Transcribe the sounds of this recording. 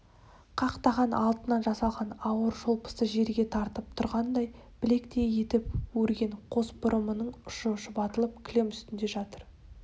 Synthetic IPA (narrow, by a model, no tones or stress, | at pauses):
qʰɑqt̪ɑʁɑnɑlˠt̪ənɑnʒɑsɑlˠʁɑnɑwəɾʒolˠpə̥səʒe̞ɾɡʲe̞t̪ʰɑɾt̪əp̚t̪ʰʊɾʁɑnd̪ɑj | b̥ɪle̞kt̪e̞je̞t̪ɪpwɵɾɡʲe̞ɴqʰo̞sbʊɾʔəmənəɴʊʃəʃəbɑt̪əlˠəp̚kʲʰlʲe̞mʏst̪ɪnd̪e̞ʒɑt̪əɾ